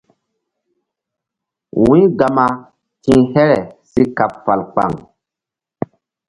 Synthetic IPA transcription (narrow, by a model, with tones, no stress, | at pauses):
wũ˦ɡa˨ma˧ | tĩ˦hɛ˦ɾɛ˨si˦ka˨pfa˨lk͡pa̰˨ŋ